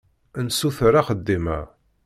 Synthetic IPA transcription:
nsuθɾaχəd̪ːimæ̰

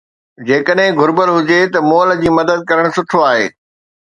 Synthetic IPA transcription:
d͡ʑeːkəɗɦɪ̃ɡʱʊɾbəlɦʊd͡ʑet̪ɐmɔːld͡ʑiːmɐd̪əd̪̚kɐɾəɽ̃sʊʈʰoaːɦeː

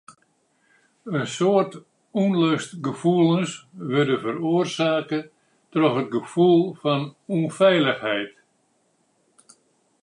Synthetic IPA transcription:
ənsoːərt | unløstɡəfuəlˠənsʋʏrdəvəɾoərsaːkə | trɔxət̚ɡəfulˠfɔnunfɛjləxhɛjt

